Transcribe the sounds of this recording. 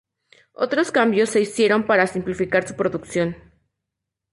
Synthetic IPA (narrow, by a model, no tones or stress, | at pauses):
o̞̰t̪ɾo̞skambjo̞sːe̞isje̞ɾo̞mpaɾasimplifikaɾsupɾo̞ðuksjo̞n